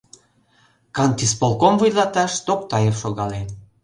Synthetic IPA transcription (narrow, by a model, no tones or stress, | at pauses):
kɑnt̪ispolˠkomvujlɑt̪ɑʃt̪ok̚t̪ɑjefʃoɣɑlen